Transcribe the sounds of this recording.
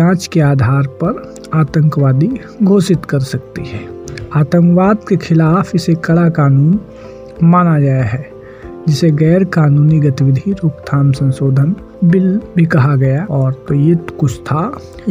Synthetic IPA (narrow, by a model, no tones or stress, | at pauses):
ãːt͡ʃkeaːd̪ʱaːɾpɐɾ | aːt̪ə̃ŋkʋaːd̪i | ɡʱoːsɪt̪kɐɾsɐk̚t̪ḭɦɛːaːt̪ə̃ŋkʋaːd̪kexʰɪlaːfʰɪsekɐɽakaːnuːn | maːnad͡ʒaːjaɦɛː | d͡ʒɪseɡɛːɾkaːnuːniɡɐt̪iʋɪd̪ʱiɾoːkt̪ʰaːmsə̃nsoːd̪ʱən | bɪlbʱikɐɦaɡɐjaɔːɾt̪ojɪt̪kʊt͡ʃt̪ʰa